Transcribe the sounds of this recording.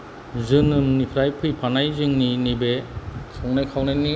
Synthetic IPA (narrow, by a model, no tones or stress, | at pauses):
zɯnɯmːipʰɾajpʰɯjpʰanajzɯŋninibesʰɔŋnajkʰawnajni